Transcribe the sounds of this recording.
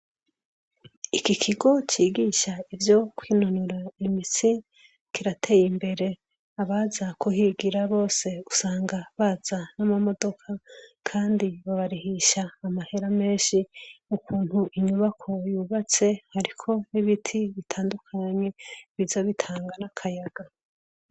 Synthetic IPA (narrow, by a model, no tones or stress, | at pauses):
ikikʰiɡo̞t͡ʃiːɡiʃaivjo̞kwiːnunuɾaimit͡si | kiɾatʰe̞ːjimbe̞ɾe̞ | aβazakuɦiɡiɾaβo̞ːse̞usaːŋɡaβaz̥anamamo̞do̞kʰakʰaːndiβaβaɾihiʃaːmahe̞ɾame̞ːʃiukʰuːn̥huʔiɲuβakʰo̞juːβat͡se̞haɾikʰo̞niβitʰiβitʰaːndukʰaɲe̞βizaβitʰaːŋɡanakʰajaɡ̥a